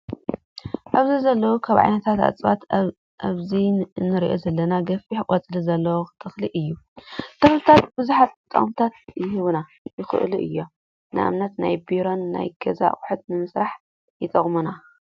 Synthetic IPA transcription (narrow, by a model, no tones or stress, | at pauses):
ʔaβzizɐlːɐwukʰaβʕa̰jnɐt̪ʰat̪a̰t͡sʼβat̪ | ʔaβzinɨɾiʔo̞̰zɐlːɐnaɡɐfiħɨkʼat͡sʼɨlizɐlːɐwt̪ʰɐxliʔɨjːut̪ʰɐxlɨt̪ʰat̪̚b̥ɨzuħat̪t̪ʼːɐ̰χʼmt̪ʰat̪jɪhɨβna | jɪxɨ̰ʔluʔɨ̰jːo̞ | nɨʔa̰mnɐt̪na̰jbiɾo̞nːa̰jɡ̥ɐza̰χʼʊħut̪̚nɨmɨsɾaħ | jɪt̪ʼɐχʼmuna